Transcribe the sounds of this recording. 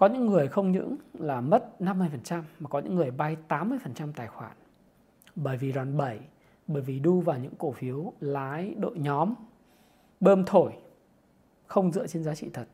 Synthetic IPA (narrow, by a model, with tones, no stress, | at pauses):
kɔ˨˦ɲɨ̰˧˥ŋːɨ˨˩əjxə˧wŋ͡mɲɨ̰˧˥ŋlaː˨˩mə˦˥t̚na˧mːɨ˧əjfə˨˩nt͡ɕa˧mːaː˨˩kɔ˨˦ɲɨ̰˧˥ŋːɨ˨˩əjɓa˧jt̪aː˨˦mːɨ˧əjfə˨˩nt͡ɕa˧mt̪aː˨˩jxwaː˧˩n | ɓəː˧˩jvi˨˩zwaː˨˩nɓə˧˩j | ɓəː˧˩jvi˨˩ɗu˧vaː˨˩wɲɨ̰˧˥ŋko˧˩fi˨˦ə˦wlaː˨˦jɗo̰˧˨jɲɔ˨˦m | ɓəː˧mt̪ʰo˧˩j | xə˧wŋ͡mzɨ̰˧˨ət͡ɕe˧nzaː˨˦t͡ɕḭ˧˨t̪ʰə˨˩t̚